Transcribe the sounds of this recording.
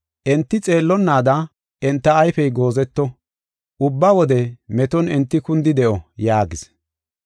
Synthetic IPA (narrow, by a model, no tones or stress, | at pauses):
ʔɛnt̪ːɪt͡sʼe̞ːlːɔnːaːd̪ɐ | ʔɛnt̪ːɐːjfɛjɡo̞ːzɛt̪ːɔ | ʔʊbːɐwɔd̪ɛmɛt̪ɔnɛnt̪ːɪkʊnd̪ɪd̪ɛʔɔjaːɡɪs